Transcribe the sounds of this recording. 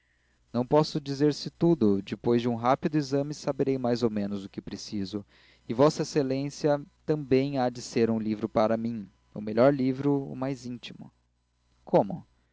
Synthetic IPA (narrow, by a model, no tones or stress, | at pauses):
nɐ̃w̃pɔsʊd͡ʒizeɾsɪt̪ud̪ʊd͡ʒɪpojzd͡ʒɪũɦapid̪ʊizɐ̃mɪsabeɾejmajzowmẽnʊzʊkɪpɾesizʊ | ɪvɔsɐeselẽsiɐt̪ɐ̃mbẽj̃ad͡ʒɪseɾũlivɾʊpaɾɐmĩ | ʊ̰meʎɔɾlivɾʊʊ̰majzĩnt͡ʃimʊ̰ | kʰõmʊ